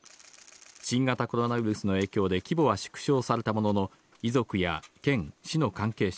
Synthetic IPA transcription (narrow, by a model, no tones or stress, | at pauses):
ɕĩŋɡat̪ako̞ɾo̞naβiɾɯ̟sɨno̞e̞ːkʲo̞ːd̪e̞kʲibo̞βaɕɨ̥kɯ̟̥ɕo̞ːsaɾe̞t̪amo̞no̞no̞ | izo̞kɯ̟ja̰kẽ̞ŋɕino̞kãŋke̞ːɕ